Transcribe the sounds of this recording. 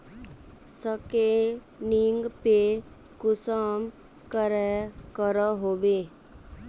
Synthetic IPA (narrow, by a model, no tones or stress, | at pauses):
səke | niŋɡpe | kʊsəm | kəɾɛkəɾaɦoːbeː